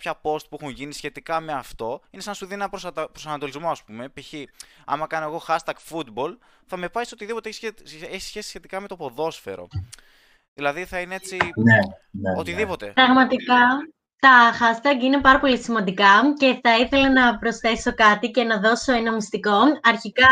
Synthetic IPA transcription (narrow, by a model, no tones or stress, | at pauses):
pçɐpo̞st̪̚puexunʝinisçe̞t̪ikɐme̞ɐft̪o̞inesɐnɐsuðinɐpɾospɾosɐnɐt̪o̞lizmo̞ɐspume̞piçi | ɐ̰mɐkɐno̞eɣo̞xɐst̪ɐɡfut̪bo̞l | θɐme̞pɐso̞t̪iðipo̞t̪eeçiseeçi̥sçe̞sisçe̞t̪ikɐme̞t̪opo̞ðo̞sfe̞̰ɾo̞̰ | ðilɐðiθɐineet͡sineneot̪iðipo̞t̪e̞ɾɐɣmɐt̪ikɐ | t̪ɐxɐst̪ɐɡinepɐɾɐpo̞lisimɐnd̪ikɐce̞θɐiθe̞lɐnɐpɾo̞sθe̞so̞kɐt̪ice̞nɐðo̞so̞enɐmist̪iko̞ɐɾçikɐ